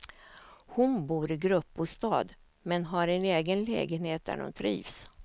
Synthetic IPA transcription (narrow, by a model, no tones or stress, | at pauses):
hʊnbuːɾɪɡɾɵpːʊst̪ɑ̰ːd̪ | mɛnɦaɾɛneːɡənlɛ̰ːɡənheːt̪̚d̪æ̰ɾhʊ̰nt̪ʰɾḭːvs